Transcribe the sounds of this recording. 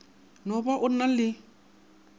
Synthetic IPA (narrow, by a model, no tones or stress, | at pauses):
nɔbɔʔʊnːalːɪ